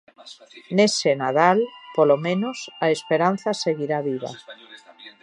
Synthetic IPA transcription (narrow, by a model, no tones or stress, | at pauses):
nesenað̞alpolomẽnosaespeɾan̟θase̞ɣiɾaβiβ̞a̰